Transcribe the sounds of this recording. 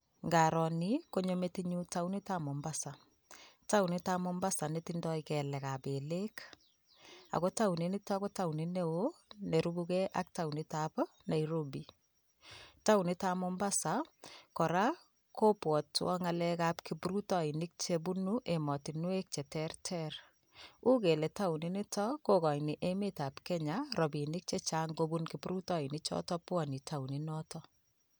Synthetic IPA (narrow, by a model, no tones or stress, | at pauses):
ŋɡaɾɔnikoɲometiɲutawnitamɔmbasa | tawnitamɔmbasanetindɔikɛlɛkabelek | a̰kotaunenitakotawnineoneɾubukɛʔa̰k̚tawnitap | naiɾobi | tawnitamɔmbasakɔɾa | kopwɔtwɔ̰ŋalɛkapkipuɾutɔinɪk̚t͡ʃebunuʔemɔtinwek̚t͡ʃɛtɛrtʰɛr | ukeletawninitʰɔkokɔjniʔemetapkɛɲaɾɔbinɪk̚t͡ʃet͡ʃaŋɡobunkipuɾutɔinɪt͡ʃɔ̰tɔpwɔnitʰawninɔtɔ